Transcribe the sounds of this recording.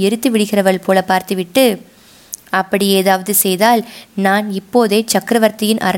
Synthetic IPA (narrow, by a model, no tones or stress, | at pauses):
ɪɾɯt̪ːɯʋɪɽɯɣɪrɐʋɐɭpʰoːlɐpaːɾt̪ɯʋɪʈːɯ | ɐpːɐɽieːðaːʋɐðɯsɛjðaːlnaːnɪpːoːðeːt͡ʃɐkːɾɐʋɐɾt̪ɐjɪnʔɐ̰ɾɐ